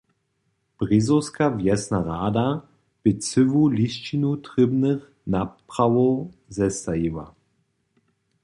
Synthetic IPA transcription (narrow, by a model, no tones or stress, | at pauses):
b̥ʁizowskavjɛsnaʁaːda | b̥ɪt͡sɪvulist͡ʃinutʁɪbnəχ | napʁawɔzɛstajiwa̰